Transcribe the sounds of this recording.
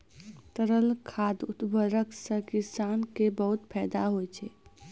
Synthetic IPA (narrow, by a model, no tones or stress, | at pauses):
t̪əɾəlkʰaːd̪ut̪bəɾəksə̃kisankebəɦut̪pʰɛːd̪aɦojt͡ʃʰɛ